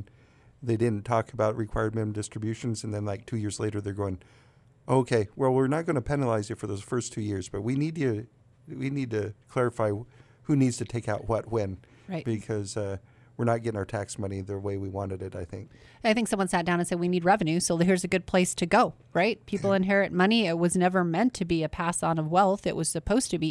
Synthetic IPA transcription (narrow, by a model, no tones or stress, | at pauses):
ðeɪdɪdⁿn̩tʰɔkʰəbaʊt̚ɹɨkʰw̥aɪə˞d̚mɪ̃nmdɪstɹ̥ɨbjʉʃɨ̃n̩zɨ̃n̩ðɨ̃nlaɪk̚tʰʉjɪɹzleɪɾə˞ðə˞ɡoʊɪ̃ŋ | ʔoʊkʰeɪwɛlˠwɪɹnət̚ɡ̥ʌnɨpʰɛnəlaɪzɨtfə˞ðoʊz̥fɜ˞stʰʉjɪɹzb̥ʌt̚winid̚tɨ | winid̚tɨkʰl̥ɛɹɨfaɪ | hʉnidz̥tʰɨtʰeɪkaʊʔ̚wʌt̚wɨ̃n | ɹaɪtb̥ɨkʰʌzʌ | wɨɹnət̚ɡ̥ɛɾɪ̃ŋaʊə˞tʰæksmʌniðɨweɪwiwɑ̃nɨɾɨɾaɪθɪ̰̃ŋk̚ | aɪθɪ̃ŋksʌ̃mwʌ̃nsætdaʊ̃nɨ̃nsɛd̚winid̚ɹɛvɨ̃nʉsoʊð̚ɦiɹzɨɡʊd̚pʰl̥eɪstʰɨɡoʊ | ɹaɪt̚pʰipl̩ˠɨ̃nɦɛɹɨt̚mʌniɪt̚wʌznɛvə˞mɛ̃ntʰɨbiɨpʰæsn̩ʌvwɛlˠθɨ̰ʔwʔʌz̥sɨpʰoʊz̥tʰɨbi